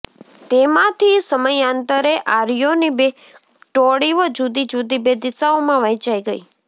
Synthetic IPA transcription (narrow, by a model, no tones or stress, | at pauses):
t̪emãt̪ʰisəməjant̪əɾeʔaɾjonibe | ʈoɽiʋəd͡ʒud̪id͡ʒud̪ibed̪ɪsaomãʋəɦit͡ʃaiɡəi